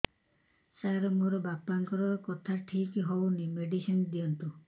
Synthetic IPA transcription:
saɾɔmoɾɔbapːaŋkɔɾɔkɔt̪ʰaʈʰikɦownimeɖisind̪iɔnt̪u

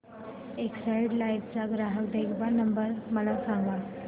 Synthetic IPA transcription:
eksajɖlajʋt͡saɡɾaɦəʋd̪eɡʋanəmbəɾməlasaŋɡa

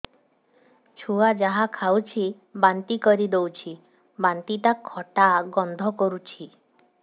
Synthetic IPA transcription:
t͡ʃʰuad͡ʒaɦakʰawt͡ʃʰi | bant̪ikɔɾid̪ewt͡ʃʰi | bant̪it̪akʰːɔʈaɡɔnd̪ʱɔkɔɾut͡ʃʰi

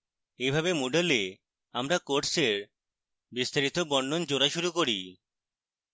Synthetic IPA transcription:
ejbʱabemoɖele | amɾakoʈseɾ | bist̪aɾit̪obɔɳɖond͡ʑoɾaʃuɾukoɾḭ

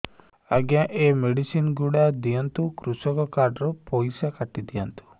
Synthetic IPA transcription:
a̰ɡjãʔemeɽisinɡuɽad̪ijant̪ukɾusɔkɔkaɾɖɾupojsakaʈːid̪ijant̪u̥

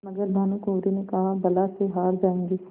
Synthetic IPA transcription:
mɐɡəɾnʱaːnukoːɾinekɐɦabɐlaseɦaːɾd͡ʒaːẽːŋɡiː

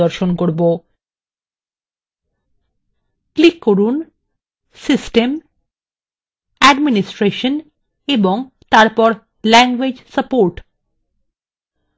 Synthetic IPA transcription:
ɔɾʃonkoɾbo | klikːoɾun | sisʈem | æɖminisʈɾeʃən | eboŋ | t̪aɾpɔɾ | lɛŋɡwed͡ʑsəpoɾʈ

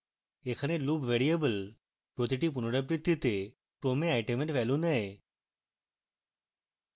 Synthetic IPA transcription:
ekʰəneluːbʋeɾijəbəl | pɾot̪iʈip̬unɽəp̬ɾit̪ːit̪e | pɾomeajʈemeɳʈʋɛlũnaɦe

